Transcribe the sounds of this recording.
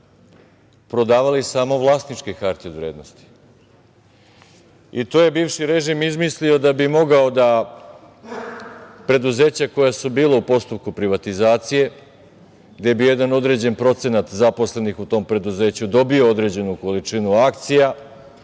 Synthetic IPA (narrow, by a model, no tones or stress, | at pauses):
pɾo̞d̪aːʋalisaːmo̞ʋlˠaːst̪nit͡ʃkekaɾt̪io̞d̪ʋɾeːd̪nost̪i̥ | it̪oje̞biːvʃiɾe̞ʒimizmislio̞d̪abimo̞ɡaod̪a | pɾe̞d̪uze̞ːt͡ɕako̞jasubiːlaupo̞st̪up̚kupɾiʋat̪izaːt̪sije̞ | ɡd̪e̞bije̞d̪ano̞d̪ɾe̞d͡ʑe̞npɾo̞t̪se̞nat̪zapo̞sle̞nixut̪o̞ːmpɾe̞d̪uze̞ːt͡ɕud̪o̞biood̪ɾe̞ːd͡ʑe̞nuko̞lit͡ʂinuakt̪sija